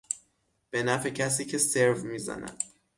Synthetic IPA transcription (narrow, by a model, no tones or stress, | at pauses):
b̥e̞næfecʰæs̬iːcʰe̞seɾvmiːzæ̰næ̰d̪̥